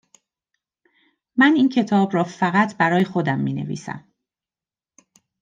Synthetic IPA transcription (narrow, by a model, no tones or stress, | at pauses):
mæniːncʰe̞t̪ʰɒːbɾɒːfæɣæt̪ʰbæɾɒːje̞xo̞d̪æmːiːne̞̰vḭːsæ̰m